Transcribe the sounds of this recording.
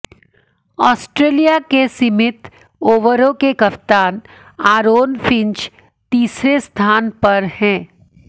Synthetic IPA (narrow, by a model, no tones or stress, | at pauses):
ɔːsʈɾeːlijakesɪmɪt̪ | oːʋəɾõkekɐpt̪aːn | aːɾoːnfʰɪ̃ɲt͡ʃ | t̪iːsɾest̪ʰaːnpɐɾhɛ̃ː